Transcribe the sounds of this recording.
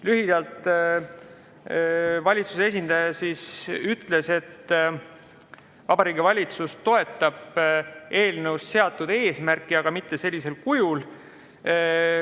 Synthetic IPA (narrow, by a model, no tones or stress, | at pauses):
lyɦid̪̥ɑlt̪ˑ | vɑlʲit̪susee̞sʲind̪̥ɑjɑsisyt̪ːˑle̞se̞t̪ː | vɑbɑɾiːɡivɑlʲit̪sust̪o̞e̞t̪ˑːɑb̥e̞ːlnəusse̞ɑt̪ːˑud̪̥e̞ːsmærkˑːiɑɡ̥ɑmit̪ːe̞se̞lʲːise̞lkujul